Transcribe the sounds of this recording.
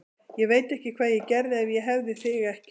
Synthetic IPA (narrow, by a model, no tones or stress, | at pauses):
jɛɣveːjt̪ɛhcɪkʰvaːðjɛcɛɾðɪɛvjɛɦɛvðɪθɪɣɛhc